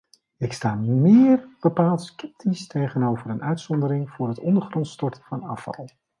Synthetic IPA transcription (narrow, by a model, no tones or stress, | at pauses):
ɪkstaːmɪːrb̥əpaːlˠtskɛp̚tʰistʰejχənowvəɾənœɥtsɔndəɾɪŋvʊːrɦətɔndəɹχrɔntstɔɹtəv̥ɑnɑ̰fɑ̰lˠ